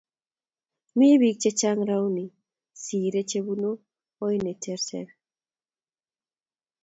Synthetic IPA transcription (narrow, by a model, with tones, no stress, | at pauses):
mi˦βi˦k̚t͡ʃe˦t͡ʃa˦ŋɾa˦wni˨ | siː˨ɾe˦t͡ʃe˦βu˦noː˦ | ine˨tʰɛ˦ɾsɛ̰ɾ